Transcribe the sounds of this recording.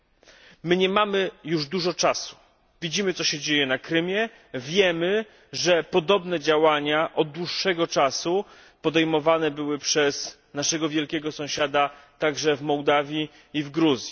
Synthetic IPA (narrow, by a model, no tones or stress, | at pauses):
mɘɲɛmamɘjuʐd̪uʐɔt͡ʂasu̥ | vʲid͡ʑimɘt̪sɔɕɛd͡ʑejɛnakɾɘmʲjɛ | vʲjɛmɘ | ʐɛpɔd̪ɔbnɛd͡ʑawaɲaʔɔd̪̚d̪wuʂːɛɡɔt͡ʂasu | pɔd̪ɛjmɔvanɛbɘwɘpʂɛz | naʂɛɡɔvʲjɛlkʲɛɡɔsɔ̃w̃ɕad̪at̪aɡʐɛvmɔwd̪avʲjiː | vɡɾuzʲji